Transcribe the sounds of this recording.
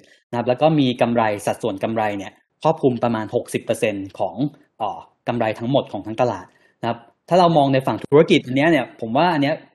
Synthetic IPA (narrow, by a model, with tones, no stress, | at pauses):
na˦kʰa˦˥plɛː˦˥wkɔː˥˩miː˧ka˧mɾa˧jsa˨˩t̪̚su˨˩ənka˧mɾa˧jni˥˩ɐ | kʰɾɔː˥˩p̚kʰu˧mpɾa˧maː˧nho˨˩k̚si˨˩pːɤː˧se˧nkʰɔː˩˦ŋ | ʔɔː˨˩ | ka˧mɾa˧jt̪ʰa˦˥ŋmo˨˩t̪̚kʰɔː˩˦t̪ʰa˦˥ŋt̪a˧la̰ː˨˩t̪̚ | na˦˥kʰa˦˥p̚t̪ʰːaː˥˩ɾa˧wmɔː˧ŋna˧jfa˨˩ŋt̪ʰu̥˦u˦˥a˥˧ki˨˩t̪̚ʔa˧nːi˦˥ɐʔni˥˩ɐpʰo˩˦mwaː˥˩ʔa˧nːi˦˥ɐ